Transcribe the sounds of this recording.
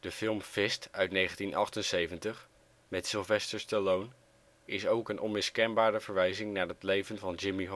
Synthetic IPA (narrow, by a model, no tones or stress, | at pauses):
d̥əfɪlˠmfɪstœɥtnejχəntinʔɑ̰χtənsejvəntəχ | mɛtsɪlˠvɛstəɹstəlown | ɪsowkənʔɔnmɪskɛnbaːɾəvəɹʋɛjzɪŋnaːɹɦətlejvənvɑnd͡ʒɪmiɦ